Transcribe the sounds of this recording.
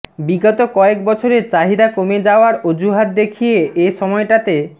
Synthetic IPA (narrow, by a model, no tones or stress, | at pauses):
biɡɔt̪okɔek̚bɔt͡ɕʰoɾeɾt͡ɕaɦid̪akomed͡ʑaoaɾod͡ʑuɦat̪̚d̪ekʰijeʔeʃɔmɔeʈat̪e